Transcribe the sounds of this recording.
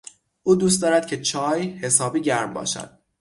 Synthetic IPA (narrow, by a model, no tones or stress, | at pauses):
ʔuːd̪uːs̬t̪ɒːɾæd̪̥̚cʰe̞t͡ʃʰɒːjhe̞sɒːbiːɟæɾmbɒ̰ːʃæ̰d̪̥